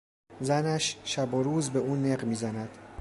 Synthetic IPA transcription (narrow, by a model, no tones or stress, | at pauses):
zænæʃʃæboɾuːzbe̞uːneɢmiːzænæd̪̥